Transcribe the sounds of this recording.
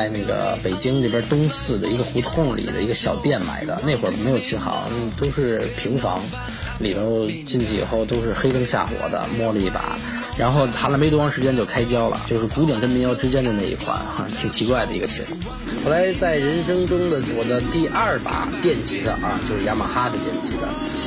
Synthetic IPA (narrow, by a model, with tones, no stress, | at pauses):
ɪna˥˩ɡə̰˩pe˨˩ɪt͡ɕi˥ŋne˥˩bjə˞˥t̪ʊ˥ŋsɹ̩˥˩d̪ə˩i˧˥ɡə˧xu˧˥t̪ʰʊ˥˩ŋlḭ˨˩d̪ə̰˦i˧˥ɡə˧ɕjɑ˨˩ʊt̪jɛ˥˩nma̰˨˩ɪd̪ə̰˧ne˥˩ɪxwə˨˥˩me˧˥ɪjo˨˩ʊt͡ɕʰi˧˥nxɑ̰˧˥˦n˥t̪o˥ʊʂɻ̩˥˩pʰi˧˥ŋfɑ̰˧˥ŋ | li˨˩bɔ˧˥ʊt͡ɕi˥˧nt͡ɕʰi˧˥˩ḭ˨˩xo˥˩ʊt̪o˥ʊʂɻ̩˥˩xe˥ɪt̪ɤ˥ŋɕja̰˥˩xwɔ̰˨˩d̪ə̰˦mwɔ˥˧lə˧˥i˥˩pa̰˨˩ | ɻa˧˥nxo˥˩ʊt̪ʰa˥lə˧m˧˥t̪wfɑ˧˥ʂɻt͡ɕjɛ˥nt͡ɕo˥˩ʊkʰa˥ɪt͡ɕjɑ˥ʊlə̰˨˩t͡ɕjo˥˧ʊʂɻ̩˥˩ku˧˥t̪jɛ˨˩nkə˥nmi˧˥ŋjɑ˥˩ʊʈ͡ʂɻ̩˥t͡ɕjɛ˥nʈ͡ʂə˨˩na˥˩ḭ˧˥˩kʰwa̰˥na̰˧˩t̪ʰi˨˩ŋt͡ɕʰi˧˥kwa˥˩ɪd̪ə˩i˧˥ɡə˧t͡ɕʰḭ˧˥n˧ | xo˧˥ʊla˧˥ɪt͡sa˥˩ɪɻə˧˥nʂɤ˥ŋʈ͡ʂʊ˥ŋd̪ə˨t̪wɔ˨˩d̪ə˦t̪i˥˧ʔɐ˥˩pa̰˨˩t̪jɛ˥˩nt͡ɕi˧˥d̪ə̰˧ʔɐ˧t͡ɕjo˥˧ʊʂɻ̩˥˩ja˥ma̰˨˩xa˥d̪ə˨t̪jɛ˥˩nt͡ɕḭ˧˥d̪ə̰˧